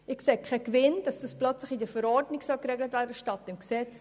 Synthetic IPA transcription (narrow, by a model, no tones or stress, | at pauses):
ɪkseːkʰɛkvɪnd̥ɑsd̥ɑsplœt͡slɪχidəfəɾɔɾdnɪksœlkɾɛɡlətvæːɾdəʃtɑtːɪmksɛt͡s